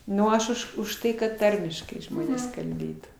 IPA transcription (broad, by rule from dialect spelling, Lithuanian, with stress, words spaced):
ˈnʊ ɐʃ ˈʊʃ ʊʃ ˈtɐɪ kɐt ˈtɐrʲmʲɪʃkɐɪ ˈʒmoːnʲeːs kɐlʲˈbʲeːtuː